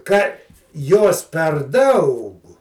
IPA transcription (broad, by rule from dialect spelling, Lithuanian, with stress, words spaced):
kɐ ˈjoːs pʲɛr ˈdɐʊk